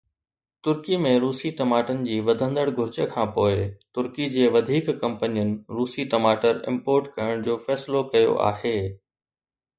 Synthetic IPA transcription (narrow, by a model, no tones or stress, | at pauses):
t̪ʊɾkimẽɾuːsiʈɐmaːʈənɪ̆d͡ʑiːʋɐd̪ʱə̃nd̪əɽɡʱʊɾɪd͡ʑəkʰãːpoːɪt̪ʊɾkid͡ʑeːʋɐd̪ʱiːkkɐ̃mpənijənɪ̆ɾuːsiʈɐmaːʈəɾɪ̰̃mpoːɾʈkɐjəɽ̃d͡ʑoːfɛːslokɐjo̰ʔa̰ːɦeː